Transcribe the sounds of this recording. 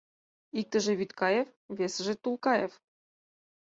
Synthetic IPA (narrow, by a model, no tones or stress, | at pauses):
ik̚t̪ə̆ʒĕβyt̪kɑjefβesə̆ʒĕt̪ulkɑjef